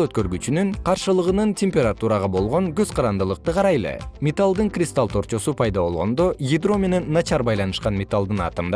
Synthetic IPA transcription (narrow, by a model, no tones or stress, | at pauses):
øt̪̚kø̞ɾɡyt͡ʃynyŋqʰɑɾʃɯlˠɯʁɯnɯntʲemʲpʲe̞ɾat̪uɾɑʁɑbo̞lˠʁo̞ŋɡøzqʰɑɾɑnd̪ɯlˠɯq̚t̪ɯqɑɾɑjlˠḛmʲet̪alˠd̪ɯŋkrʲɪst̪alˠt̪ʰo̞ɾt͡ʃo̞supʰɑjd̪ɑβo̞lˠʁo̞nd̪o̞jʲid̪ro̞mʲe̞ne̞nːɑt͡ʃɑɾbɑjlˠɑnɯʃqɑnmʲe̞t̪alˠd̪ɯnɑ̰t̪ɯmd̪